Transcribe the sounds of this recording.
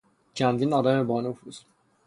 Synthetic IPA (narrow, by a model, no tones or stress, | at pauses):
t͡ʃʰænd̪iːnɒːd̪æmebɒːnofuz̥